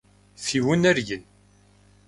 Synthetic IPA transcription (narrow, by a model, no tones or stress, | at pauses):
θiwənæɾʝən